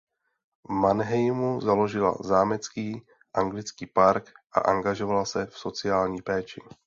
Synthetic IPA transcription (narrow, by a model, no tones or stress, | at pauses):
vmanɦɛjmuzalo̞ʒɪla̰zaːmɛt͡skiː | ʔaŋɡlɪt͡skiːpaɾkʔa̰ʔaŋɡaʒo̞valasɛfso̞t͡sɪaːlɲiːpɛːt͡ʃɪ